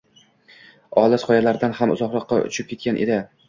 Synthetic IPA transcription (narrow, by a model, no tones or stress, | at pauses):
ɒlˠasqɒjalaɾd̪anhamʊ̰zɒqɾɒqːɑʊ̰t͡ʃʰɪp̚kʲʰe̞t̪̚kʲanʔe̞̰d̪ɪ